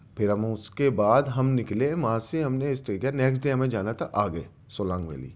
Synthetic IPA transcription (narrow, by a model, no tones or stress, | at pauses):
pʰɪɾɦɐmʊskebaːd̪ɦɐmnɪklemãseɦɐmneɪsʈeːkəneːks̬ʈɖeɦɐmẽd͡ʒaːnat̪ʰaʔaːɡɐe | soːlãːŋɡʋḛːlḭː